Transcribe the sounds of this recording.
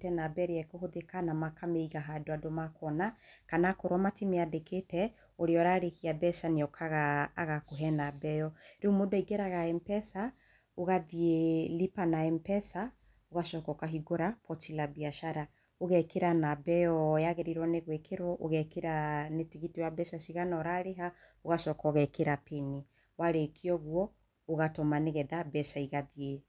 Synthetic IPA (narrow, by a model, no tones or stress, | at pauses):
tɛnabɛɾeɛkoɦoðekanamakameiɣaɦadoadomakɔnakanakoɾwamatimeadeketɛ | oɾeɔɾaɾehiabɛʃaneɔkʰaɣaːɣakoɦɛnabɛjɔɾeumodaiɡɛɾaɣaɛmpɛsa | oɣaðielipanaɛmpɛsa | oɣaʃɔkɔkaɦiɡoɾapɔtilabiaʃaɾa | oɣɛkeɾanabɛjɔjaɣeɾiɾwɔneɣwekʰeɾwɔʔoɣɛkeɾanetiɣitiwabɛʃaʃiɣanɔɾaɾeɦaoɣaʃɔkɔɣɛkeɾapeni | waɾekʰiɔɣwɔ | oɣatɔmaneɣɛðabɛʃaiɣaðie